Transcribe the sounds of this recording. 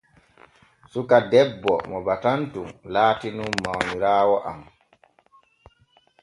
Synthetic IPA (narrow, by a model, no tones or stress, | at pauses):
sukadɛbːɔ̰mɔbatantumlaːtinummawmiɾaːwɔʔa̰m